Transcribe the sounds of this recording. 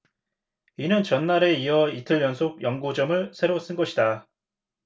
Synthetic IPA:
inɯnt͡ɕʌnːaɾe̞iʌitʰɯɭjʌnsʰoɡ̚jʌŋɡud͡ʑʌmɯɭsʰe̞ɾos͈ɯnɡʌɕʰida

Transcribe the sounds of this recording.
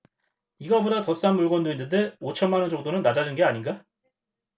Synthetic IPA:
iɡʌbodatʌs͈anmuɭɡwʌndoinːɯnde̞ot͡ɕʰʌnmanɯnd͡ʑʌk̚d͈onɯnːad͡ʑad͡ʑɯnɡe̞aɲinɡa

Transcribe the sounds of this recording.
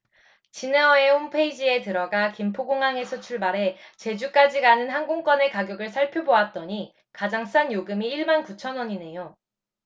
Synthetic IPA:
t͡ɕineʌehompʰeid͡ʑie̞tɯɾʌɡakimpʰoɡoŋaŋe̞sʰʌt͡ɕʰuɭbaɾe̞t͡ɕe̞d͡ʑuk͈ad͡ʑiɡanɯnɦanɡoŋk͈wʌne̞kaɡjʌɡɯɭs̬ʰaɭpʰjoboat̚t͈ʌɲi | kad͡ʑaŋs͈anjoɡɯmiːɭmankut͡ɕʰʌnʌɲine̞jo

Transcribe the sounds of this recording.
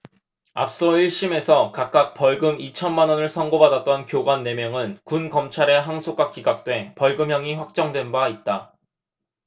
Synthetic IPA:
a̰p̚s͈ʌiɭɕ͈ime̞sʰʌkak̚k͈ak̚p͈ʌɭɡɯmit͡ɕʰʌnmanwʌnɯɭsʰʌŋɡobadat̚t͈ʌnkjoɡwanːe̞mjʌŋɯnkunkʌmt͡ɕʰaɾe̞ɦaŋsʰokɡ͈wakiɡak̚t͈we̞pʌɭɡɯmɦjʌŋiɸwak̚t͡ɕ͈ʌŋdwe̞nbait̚t͈a

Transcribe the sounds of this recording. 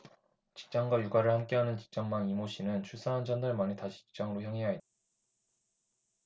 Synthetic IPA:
t͡ɕi̥k̚t͡ɕ͈aŋɡwajuɡaɾɯɭhamk͈eɦanɯnt͡ɕi̥k̚t͡ɕ͈aŋmanimoɕʰinɯnt͡ɕʰuɭs͈ʰaɦand͡ʑʌndaɭmanitaɕʰi̥t͡ɕi̥k̚t͡ɕ͈aŋɯɾoçjaŋɦeɦait͈a

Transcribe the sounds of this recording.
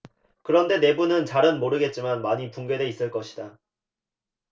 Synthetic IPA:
kɯɾʌnde̞ne̞bunɯnt͡ɕaɾɯnmoɾɯɡe̞t̚t͡ɕ͈imanmaɲipuŋɡe̞de̞is͈ɯɭk͈ʌɕʰi̥da

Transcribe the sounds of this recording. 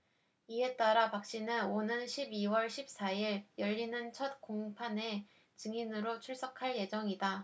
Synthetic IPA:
ie̞t͈aɾapak̚ɕ͈inɯnonɯnɕʰibiwʌɭɕʰip̚s͈aiɾjʌʎːinɯnt͡ɕʰʌt̚koŋpʰane̞ | t͡ɕɯŋinɯɾot͡ɕʰuɭs͈ʌkʰaɭje̞d͡ʑʌŋida

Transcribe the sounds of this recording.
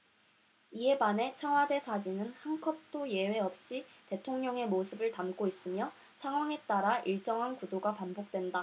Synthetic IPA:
ie̞bane̞t͡ɕʰʌŋwade̞sʰad͡ʑinɯnhankʰʌp̚t͈oje̞we̞ʌp̚ɕ͈ite̞tʰoŋɲʌŋe̞mosʰɯbɯɭtamk͈ois͈ɯmjʌ | sʰaŋɦwaŋe̞t͈aɾaʔiɭt͡ɕ͈ʌŋɦankudoɡapambok̚t͈we̞nda

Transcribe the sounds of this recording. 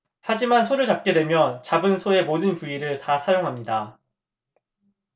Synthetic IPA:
had͡ʑimansʰoɾɯɭt͡ɕap̚k͈e̞dwe̞mjʌnt͡ɕabɯnsʰoe̞modɯnt͡ɕuiɾɯɭtasʰajoŋɦamɲida

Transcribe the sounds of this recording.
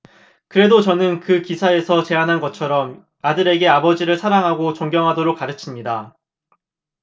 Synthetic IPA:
kɯɾe̞dot͡ɕʌnɯnkɯkisʰae̞sʰʌt͡ɕe̞anɦanɡʌt͡ɕʰʌɾʌm | adɯɾe̞ɡe̞abʌd͡ʑiɾɯɭsʰaɾaŋɦaɡot͡ɕʌŋɡjʌŋɦadoɾok̚k͈aɾɯt͡ɕʰimɲida

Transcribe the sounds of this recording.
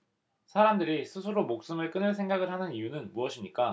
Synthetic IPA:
sʰaɾamdɯɾisʰɯsʰɯɾomok̚s͈ɯmɯɭk͈ɯnɯɭsʰe̞ŋɡaɡɯɭhanɯnijunɯnmuʌɕʰimɲik͈a

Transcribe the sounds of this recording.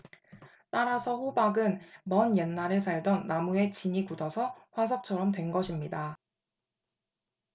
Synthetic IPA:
t͈aɾasʰʌɸobaɡɯnmʌnjenːaɾɯsʰaɭdʌnːamue̞t͡ɕiɲikudʌsʰʌɸwasʰʌk̚t͡ɕʰʌɾʌmtwe̞nɡʌɕʰimɲida

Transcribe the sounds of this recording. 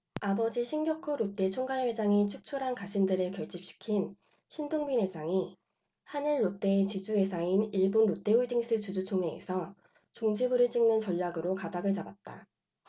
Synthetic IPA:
abʌd͡ʑiɕʰinɡjʌkʰoɾot͈e̞t͡ɕʰoŋɡaɭɸwe̞d͡ʑaŋit͡ɕʰuk̚t͡ɕʰuɾɦankaɕʰindɯɾɯɭkjʌɭt͡ɕ͈ip̚ɕ͈i̥kʰin | ɕʰindoŋbine̞d͡ʑaŋi | hanɯɭːot͈e̞ːt͡ɕid͡ʑue̞sʰainiɭbonːot͈e̞uɭdiŋs͈ʰɯt͡ɕud͡ʑut͡ɕʰoŋe̞̰ːsʰʌ | t͡ɕoŋd͡ʑibɯɾɯɭt͡ɕ͈iŋnɯnt͡ɕʌʎːaɡɯɾokadaɡɯɭt͡ɕabat̚t͈a̰

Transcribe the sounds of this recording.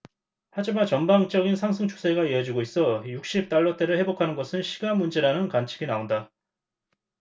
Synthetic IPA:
had͡ʑimant͡ɕʌnbaŋt͡ɕ͈ʌɡinsʰaŋsʰɯŋt͡ɕʰo̥sʰe̞ɡaiʌd͡ʑiɡois͈ʌjuk̚ɕ͈ip̚t͈aɭːʌt͈e̞ɾɯɭhe̞bokʰanɯnɡʌsʰɯnɕʰi̥ɡamːund͡ʑe̞ɾanɯnkant͡ɕʰi̥ɡinaonda

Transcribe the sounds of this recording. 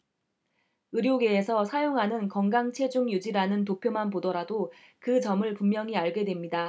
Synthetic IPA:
ɯɾjoɡe̞ːsʰʌsʰajoŋɦanɯnkʌŋɡaŋt͡ɕʰe̞d͡ʑuŋjud͡ʑiɾanɯnt̬opʰjomɦanpodʌɾado | kɯt͡ɕʌmɯɭpummːjʌŋiaɭɡe̞dwe̞mɲida

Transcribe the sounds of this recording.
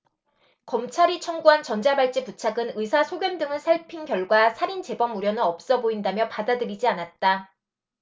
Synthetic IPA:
kʌmt͡ɕʰaɾit͡ɕʰʌŋɡuɦant͡ɕʌnd͡ʑabaɭt͡ɕ͈iput͡ɕʰaɡɯnɯsʰasʰoɡjʌndɯŋɯnsʰaɭpʰiŋɡjʌɭɡwasʰaɾint͡ɕe̞bʌmuɾjʌnɯnʌp̚s͈ʌboindamjʌpadadɯɾid͡ʑianat̚t͈a

